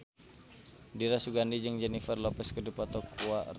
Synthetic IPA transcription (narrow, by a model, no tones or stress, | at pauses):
diɾasuɡandid͡ʒəŋd͡ʒɛnifərlɔpɛskədipɔt̪ɔkua